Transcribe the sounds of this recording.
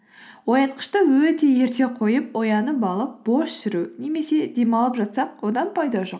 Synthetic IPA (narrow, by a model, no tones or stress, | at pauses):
wo̞jɑt̪̚qʰə̥ʃt̪əwɵt̪e̞je̞ɾt̪e̞qʰo̞jəp̚wo̞jɑnəbɑlˠəp̚b̥o̞ʃʃɪɾune̞me̞se̞d̪e̞mɑlˠəpʒɑt̪sɑq̚wo̞d̪ɑnpʰɑjd̪ɑʒo̞q